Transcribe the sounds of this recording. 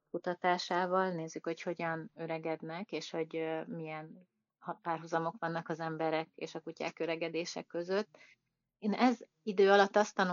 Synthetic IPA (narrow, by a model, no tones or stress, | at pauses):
kut̪ɒt̪aːʃaːvɒlneːzːykho̞cho̞ɟɒnøɾɛɡɛd̪nɛkeːʃho̞ɟmijɛn | hɒpaːrɦuzɒmo̞kʋɒnːɒkɒzɛmbɛɾɛkḛːʃɒkuca̰ːkø̞ɾɛɡɛd̪eːʃɛ̰kːø̞zøt̪ː | eːnɛz | id̪øːɒlɒt̪ːɒst̪ɒn